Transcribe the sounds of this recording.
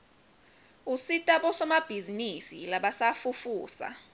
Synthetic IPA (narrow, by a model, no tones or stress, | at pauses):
usitʼaɓɔsɔmab̥ʱizinisḭlaɓasafufuːsa̰